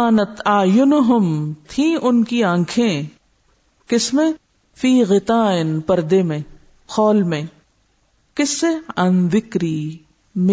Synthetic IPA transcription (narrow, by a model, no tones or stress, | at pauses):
aːnɐt̪aːjʊnɦʊmt̪ʰĩːʔʊnkiãŋkʰẽ | kɪsmẽ | fiːɣɪt̪aːɪnpɐɾd̪eːmẽ | xɔːlmẽ | kɪseɐnðɪkɾiː | m